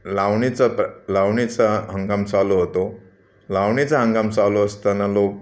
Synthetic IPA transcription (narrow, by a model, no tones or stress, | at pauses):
laʋɳit͡saplawɳit͡saɦəŋɡamsaloɦot̪o | lawɳit͡saɦəŋɡamsaloəst̪analok̚